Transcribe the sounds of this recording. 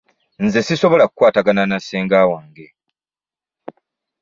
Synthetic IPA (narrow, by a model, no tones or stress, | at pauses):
nze̞siso̞βo̞lakukːwaːtaɡananaseːŋɡaːwaːŋɡe̞